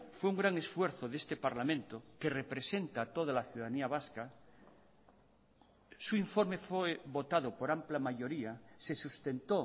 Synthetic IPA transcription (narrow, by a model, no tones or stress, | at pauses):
fweuŋɡɾaŋe̞sfwe̞ɾθoðe̞st̪e̞paɾlamẽnt̪oke̞re̞pɾe̞se̞nt̪at̪o̞ð̞alaθjuðaðaniaβaska | suiɱfo̞ɾme̞feβo̞t̪aðopo̞ɾamplamaʝo̞ɾiase̞sust̪e̞nt̪o